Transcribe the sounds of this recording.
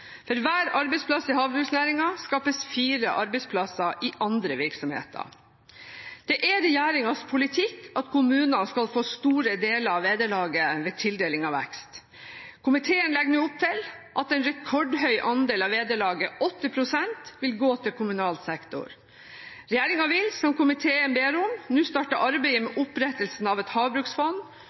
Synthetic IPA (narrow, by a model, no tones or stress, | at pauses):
fɔɾʋæːɾɑɾbɛɪspʰlɑsːɪɦɑːʋbɾʉɡsnæːɾɪŋɑskɑːpəsfiːɾə̰ʔɑɾbɛɪspʰlɑsɑʔɪʔɑnd̪ɾəʋɪɾksɔmhḛːt̪ʰə̰ | d̪̥ɛʔæɾɛjæːɾɪŋɑspʰʊlɪt̪ʰɪkʰːɑt̪kʰʊmʉːnənskɑlfoːst̪uːɾəd̪eːləɾɑʋeːd̪əɭɑːɡəʋeːt̪ʰɪld̪eːlɪŋɑʋɛ̰kst̪ | kʰʊmɪt̪ʰeːənlɛɡnʉːʊp̚t̪ʰɪlʔɑt̪ɛnɾɛkʰɔɖhœʏʔɑnd̪eːlɑʋeːd̪əɭɑːɡəʔɔt̪ːɪpʰɾʊsɛnt̪ʋɪlɡoːt̪ʰɪlkʰʊmʉnɑːlsɛkt̪ʊ̰ɾ | ɾɛjæːɾɪŋɑʋɪlsɔmkʊmɪt̪ʰeːənbeːɾʊmnʉːst̪ɑːʈɑʔɑɾbɛɪəmɛʔʊpɾɛt̪ːəlsn̩ɑʋɛt̪hɑːʋbɾʉksfɔn